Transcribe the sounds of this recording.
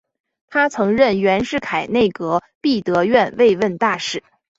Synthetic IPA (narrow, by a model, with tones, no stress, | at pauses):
t̪ʰa˥t͡sʰɤ˧˥ŋɻə˥˩nɥɛ˧˥nʂɻ̩˥˩kʰa˨˩ɪne˥˩ɪkɤ˧˥pi˥˩t̪ɤ˧˥ɥɛ˥˧nwe˥˧ɪwə˥˧nt̪a˥˧ʂɻ̩˥˩